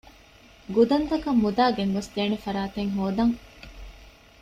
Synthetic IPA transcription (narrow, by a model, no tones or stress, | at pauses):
ɡud̪ɐnt̪ɐkɐmːud̪aːɡeŋɡɐsd̪eːnefɐɾaːt̪eŋɦoːd̪ɐŋ